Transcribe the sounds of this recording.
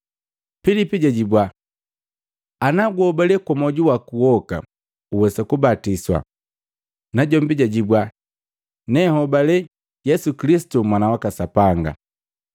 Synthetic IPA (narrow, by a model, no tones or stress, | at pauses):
filipiɟaɟibwa | anaɡwɔbalɛkamɔɟuwakuwɔka̰ | uwɛsɛkubatiswa̰ | naɟɔmbiɟaɟibwa | nɛhɔbalɛ | jɛsukilisi̥tumwanawakasapaŋɡa̰